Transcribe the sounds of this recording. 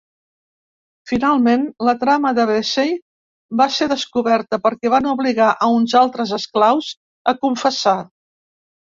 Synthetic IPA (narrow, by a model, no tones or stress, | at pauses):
finalˠmenlət̪ɾaməðəβesej | baseðəskuβɛɾt̪əpəɾkɛβanuβliɣaʔəunzalˠt̪ɾəzəsklawz | əkuɱfəsa